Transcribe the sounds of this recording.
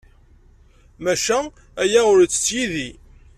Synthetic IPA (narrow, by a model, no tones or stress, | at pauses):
mæʃæ | æjæʊɾt͡sːə̥t͡sːjiði